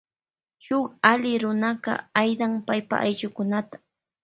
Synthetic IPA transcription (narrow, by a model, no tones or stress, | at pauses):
ʃoχalɪɾʊnaɢɑ̰ajd̪aŋpajpa̰ʔajʎʊkʊnat̪ḁ